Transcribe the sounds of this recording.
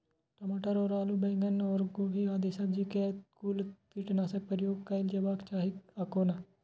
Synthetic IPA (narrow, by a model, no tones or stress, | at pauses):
ʈəmaʈəɾoːɾaːluːbɛ̃ːŋɡənoːɾɡoːɦiaːd̪eːsəbd͡ʒikekuːlt̪iʈnaːsək̚pəɾjoːɡ̚kaɪld͡ʒəbaːkt͡ʃaːɦikaːkoːna